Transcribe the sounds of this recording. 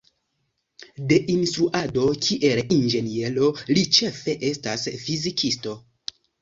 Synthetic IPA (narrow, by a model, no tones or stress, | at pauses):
de̞ʔinstɾuʔado̞kʰiʔe̞lind͡ʒe̞nie̞lo̞lit͡ʃe̞fe̞ʔe̞stasfizikʰisto̞